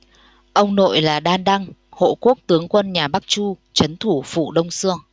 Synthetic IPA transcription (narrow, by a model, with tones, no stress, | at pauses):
ʔə˧wŋ͡mno̰˧˨jlaː˨˩ɗaː˧nɗa˧ŋho̰˧˨ku˦˥ək̚t̪ɨ˨˦əŋkwə˧nɲaː˨˩ɓa˦˥k̚t͡ɕu˧t͡ɕə˨˦nt̪ʰu˧˩fṵ˧˨ɗə˧wŋ͡msɨ˧əŋ